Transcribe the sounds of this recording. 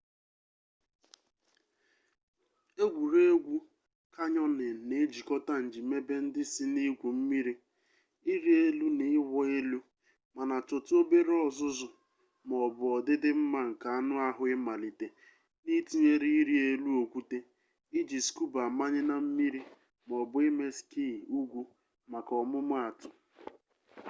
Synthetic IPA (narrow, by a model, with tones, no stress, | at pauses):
e˦ɡʷu˨ɾe˦e˦ɡʷu˦ | ka˦ɲɔ˦nɪ˨ne˨˦d͡ʒi˨kɔ˦ta˦n̩˨d͡ʒi˨me˦be˦n̩˦dɪ˦sɪ˦ni˦ɡʷu˨m̩˦mi˦ɾi˦ | i˦ɾi˦e˦lu˦nɪ˨ɪ˦wɔ˦e˦lu˦ | ma˨na˨tʊ˨to˦be˦ɾɔ˦zʊ˦zʊ˨ | m˨ɔ˨bʊ˨ɔ˨dɪ˦dɪ˦m̩˦ma˦ŋ̩˨ka˨a˦nʊ˦a˦ɦʊ˦ɪ˦ma˨li˨te˨ | ni˦ti˦ɲe˦ɾi˦i˦ɾi˦e˦lu˦o˨kʷu˦te˦ | i˦d͡ʒi˨sku˦ba˨ma˦ɲɪ˦na˦m̩˦mi˦ɾi˦ | m˨ɔ˨bʊ˦ɪ˦me˦ski˦˨u˦ɡʷu˦ | ma˨kɔ˨mʊ˦mʊ˦a˨tʊ˨